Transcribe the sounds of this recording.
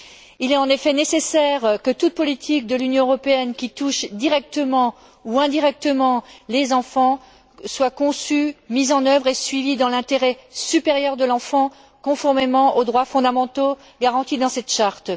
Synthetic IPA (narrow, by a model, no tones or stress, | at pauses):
ilɛt̪ɑ̃nefɛnesesɛʁkət̪ut̪̚pɔlit̪ʰik̚d̪əlynjɔ̃øʁɔpeɛnkʲit̪uʃd̪iʁɛk̚t̪əmɑ̃ | uɛ̃d̪iʁɛk̚t̪əmɑ̃lezɑ̃fɑ̃ | swakɔ̃symizɑ̃nœvʁesɥivid̪ɑ̃lɛ̃t̪eʁɛsypeʁjœʁd̪əlɑ̃fɑ̃ | kɔ̃fɔʁmemɑ̃ʔod̪ʁwafɔ̃d̪amɑ̃t̪o | ɡaʁɑ̃t̪id̪ɑ̃sɛt̪ʃaʁt̪